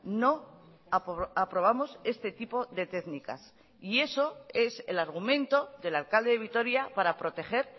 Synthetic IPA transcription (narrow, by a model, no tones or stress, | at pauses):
no̞ | aapɾo̞β̞amo̞se̞st̪e̞t̪ipo̞ðe̞t̪e̞ðnika̰s | ie̞so̞e̞se̞̰laɾɣ̞umẽ̞nt̪o̞ðe̞lalkald̪e̞ðe̞βit̪o̞ɾjapaɾapɾo̞t̪e̞xe̞ɾ